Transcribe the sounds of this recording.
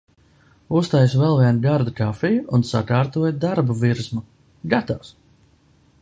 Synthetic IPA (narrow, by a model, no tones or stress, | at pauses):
ust̪ajsvɛlˠviɛnɡaɾd̪ukafijuunsa̰kaːɾt̪uɔjd̪aɾbuviɾzmu | ɡat̪aws